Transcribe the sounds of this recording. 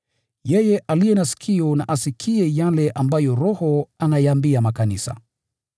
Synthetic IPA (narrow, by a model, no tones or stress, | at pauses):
jɛjɛʔalijɛnasi̥kʰiɔnaʔasikʰiɛjalɛʔambajɔɾɔhɔanajaambiamakanisa̰